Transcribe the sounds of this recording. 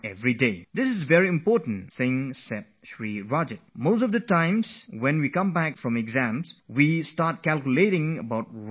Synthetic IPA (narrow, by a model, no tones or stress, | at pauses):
ɛvɹided̪ɪsɪzvɛɹiɪ̃mpɔtə̃n̩θɪ̃ŋsɛt̚ʃɹiɹɔd͡ʒət̚mos̬tɔvd̪ətãɪ̃mswɛ̃nwikʌ̃mbækfɹɔ̃mɛɡzæ̃mswistat̚kɛlkjuleɾɪ̃ŋəbaʊt̚